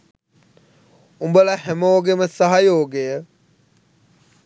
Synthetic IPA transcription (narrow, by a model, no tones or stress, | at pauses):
umbəlahɛmoːɡeməsaɦajoːɡejə